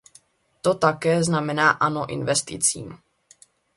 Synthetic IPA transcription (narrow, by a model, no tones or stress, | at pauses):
t̪o̞t̪akɛːznamɛnaːʔanoʔɪ̰nvɛst̪ɪ̰t͡sḭːm